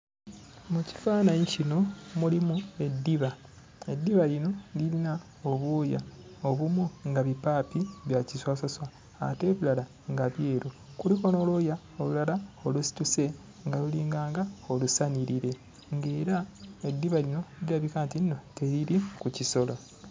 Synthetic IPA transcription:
muci̥faːnaɲicino̞mulimue̞dːiβa | e̞dːiβaɾino̞lilina | o̞βwoːjaoβumuŋɡaβipaːpiβjaciswaːsaswa̰ː | te̞ːβulala | ŋɡaβje̞ːɾokulikono̞ːloja | olulalao̞lusi̥tuse̞ | ŋɡaluliːŋɡaːŋɡaolusaniɾiɾe̞ | ŋɡe̞ːɾae̞dːiβalino̞iɾaβikaːntinno̞te̞ɾiɾikuciso̞lo̞

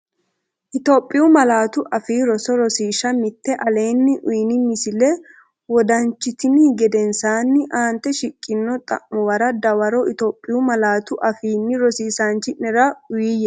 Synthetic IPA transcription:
ʔɪt̪oːpʼːɪʊmɐlaːt̪ʊʔɐfiːɾɔsɔɾɔsiːʃɐmɪt̪ːɛʔɐle̞ːnːɪʔʊjnɪmɪsɪlɛ | wɔd̪ɐnt͡ʃːɪt̪ɪniɡɛd̪ɛnsaːnːɪʔaːnt̪ːɛʃɪkʼːɪnːɔt̪ʼɐ̰ʔːʊwɐɾɐd̪ɐwɐɾɔʔɪt̪oːpʼːɪjʊmɐlaːt̪ʊʔɐfiːnːɪɾɔsiːsaːnt͡ʃːɪnɛɾɐʊjiːjɛ

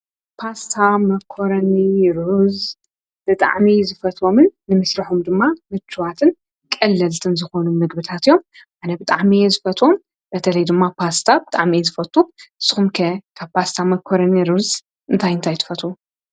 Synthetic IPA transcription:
pʰast̪ʰamɐkʰːoɾɐniɾuz | b̥ɨt̪ʼa̰ʕmizɨfɐt̪ʰʼo̞mɨnːɨmɨsɾɐħumd̪ɨmːamɨt͡ʃʰːɨβat̪ʰɨn | kʼɐlːɐlt̪ʰɨnzɨxo̞numɨɡ̚bɨt̪ʰat̪ijːo̞m | ʔanɐbɨt̪ʼaʕmijezɨfɐt̪ʰʼʔom | b̥ɐt̪ʰɐlɐjd̪ɨmːapʰast̪ʰabɨt̪ʼaʕmiezɨfɐt̪ʼuʔɨsɨ̥xumkʰɐkʰaβpʰast̪ʰamɐkʰoɾɐniɾuz | ʔɨnt̪ʰajɨnt̪ʰajt̪ʰɨ̥fɐt̪ʼu

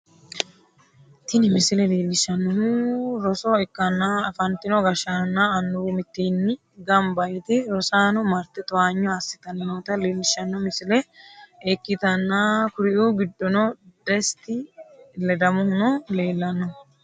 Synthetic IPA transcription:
t̪ɪnɪmɪsɪlɛleːlːɪʃːɐnːɔɦuɾɔsɔɛkːɐnːaɐfɐnt̪ːɪnɔɡɐʃaːnːaɐnːʊumɪt̪ːinːɪ | ɡɐmbɐjt̪ɛɾɔsaːnɔmɐɾt̪ːɛt̪ɔwaːɲːɔɐsːɪ̥t̪ɐnnot̪ɐleːlːɪʃːɐnːɔmɪsɪlɛekːɪt̪ɐnːakʊɾɪʔuɡɪd̪ːɔnɔd̪ɛst̪ɪlɛd̪ɐmʊhnɔle̞ːlːɐnːɔ

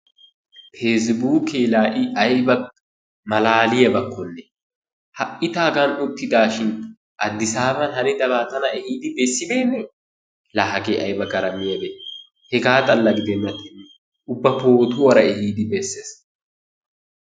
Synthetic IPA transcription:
fʰeːs̬buːkeːlaːʔɪʔɐjbɐ | mɐlaːlɪjɐbɐkʰːɔlːe | hɐʔɪt̪aːɡɐnʊt̪ːɪd̪aːʃɪn | ʔɐd̪ːɪsaːbɐnhɐnɪd̪ɐbaːt̪ɐnɐʔɛhiːd̪ɪbesːɪd̪eːnɛ | laɦɐɡeʔɐjbɐɡɐɾɐmɪjɐbe | hɛɡaːt̪ʼɐlːɐɡɪd̪ɛnːɐt̪ɪnː | ʊbːɐpoːt̪ʊwɐɾɐɛhiːd̪ɪbesːeːs

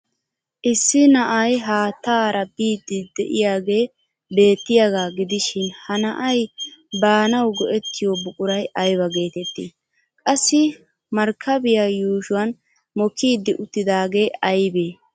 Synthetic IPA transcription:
ʔɪsːɪnɐʔɐjɦaːt̪ːaːɾɐbiːd̪ːɪd̪ɛ̰ʔɪ̰jaːɡe̞ː | be̞ːt̪ːɪjaɡaːɡɪd̪ɪʃɪnhɐnɐʔɐjbaːnɐwɡɔʔɛt̪ːɪjobʊkʼʊɾɐjɐjbɐɡe̞ːt̪ɛt̪ːɪ̰ | kʼɐsːɪ | mɐɾkʰːɐbɪjajuːʃʊwɐn | mɔkːiːd̪ːɪʔʊt̪ːɪd̪aːɡe̞ːɐjbeː

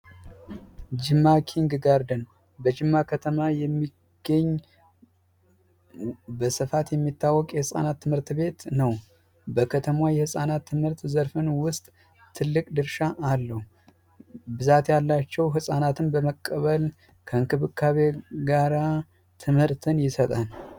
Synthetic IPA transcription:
d͡ʒɨmːakʰiŋɡɡaɾd̪ən | bəd͡ʒɨmːakʰət̪ʰəmajɛmːi | ɡ̥əɲː | bəsɨfat̪jɛmːit̪ːawːɔkʼjɛhɨsʼa̰nat̪ːɨmhɨɾt̪βe̞t̪nəw | bəkʰət̪ʰəmwajɛhɨsʼanat̪ʰːɨmhɨɾt̪zəɾfɨnwʊst̪ʼ | t̪ʰːɨlːɨkʼd̪ɨɾʃaʔːlːəhu | bɨzat̪jalːat͡ʃːɛwɦɨsʼanat̪ʰɨnbəməkʼːəβəl | kʰəɨŋkʰɨβɨkʰːaβeɡaɾa | t̪ʰɨmhɨɾt̪ʰɨnjɪsət̪ʼan

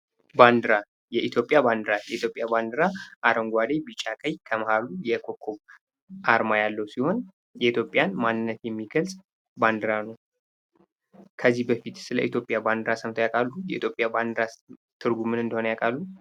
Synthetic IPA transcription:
band̪ɨɾa | jɛʔit̪ʰjo̞pʼjaband̪ɨɾajɛʔit̪ʰjo̞pʼːjaband̪ɨɾaʔaɾəŋɡʷad̪ebit͡ʃʼakʼəjkʰəməhalujɛkʰo̞kʰːoβ | ʔaɾmajalːəwsiho̞n | jɛit̪ʰjo̞pʼjanmanːɨnːət̪jɛmːiɡəlsʼ | band̪ɨɾanəw | kʰəzːihbəfit̪sɨlə̰ʔit̪ʰjo̞pʼjaband̪ɨɾasəmt̪ʰəjakʼalːujɛ̰ʔḭt̪jopʼjaband̪ɨɾat̪ʰɨɾɡumɨnɨnd̪əho̞nəjakʼalːu

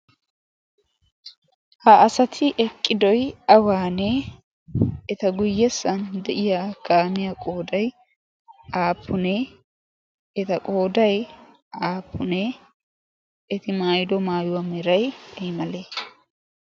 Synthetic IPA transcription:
hɐʔɐsɐt̪ʰɪʔɛkʼːɪd̪ɔjɐwaːnɛ | ɛt̪ɐɡʊjːɛsːɐnd̪ɛʔɪjakaːmɪjakʼo̞ːd̪ɐj | aːpʰːʊnɛ | ɛt̪ɐkʼoːd̪ɐj | aːpʰːʊnɛ | ɛt̪ɪmaːjd̪ɔmaːjʊwɐmɛɾɐjɛmɐleː

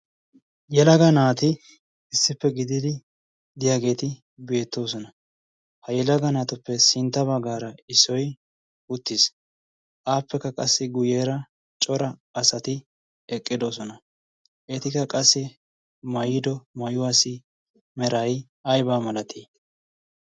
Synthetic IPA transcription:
jɛlɐɡɐnaːt̪ɪ | ɪsːɪpːɛɡɪd̪ɪd̪ɪ | d̪ɪjaːɡe̞ːt̪ɪ | be̞ːt̪ːo̞ːsɔnɐ | hɐjɛlɐɡɐnaːt̪ʊpːɛsɪnt̪ːɐbɐɡaːɾɐɪsːɔj | ʊt̪ːɪs | ʔaːpːɛkːɐkʼɐsːɪɡʊjeːɾɐ | t͡ʃʼɔɾɐːsɐt̪ɪ | ɛkʼːɪd̪o̞ːsɔnɐ | ʔɛt̪ɪkːɐkʼɐsːɪ | mɐjɪd̪ɔmɐjʊwaːsɪ | mɛɾɐj | ɐjbaːmɐlɐt̪ʰe

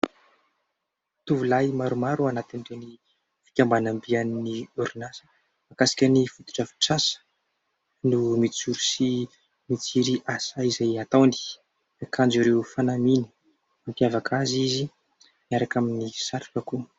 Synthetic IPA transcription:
t̪uvulajmaɾumaɾuanat̪iniɖ͡ʐeni | fi̥kʲambanambianiniuɾinasə̥ | makasi̥kʲənifut̪u̥ʈ͡ʂafi̥ʈ͡ʂasə̥ | numit͡suɾusi | mit͡siɾiʔasaizajat̪awnd̪i̥ | akʰãnd͡ʒuɾewfanaminə̥ | ampjavakʰazizi | niaɾakaminisaɾu̥kaku

